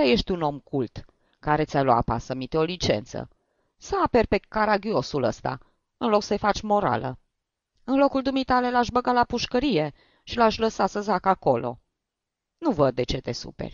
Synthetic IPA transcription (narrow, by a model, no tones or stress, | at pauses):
aje̞ʃt̪ʲuno̞mkult̪ | kaɾe̞t̪sʲajloa̰pa̰səmit̪eo̞lit͡ʃe̞̰nt̪sə̰ | səaperpekaɾaɡio̞sulə̰st̪a̰ | ɨnlo̞ksəjfat͡ʃʲmo̞ɾa̰lə̰ | ɨnlo̞kuld̪umit̪ale̞laʃbəɡalapuʃkəɾije̞ | ʃilaʃʲləsasəzakako̞lo̞̰ | nuvəd̪̚ːe̞t͡ʃe̞t̪e̞sṵpḛrʲ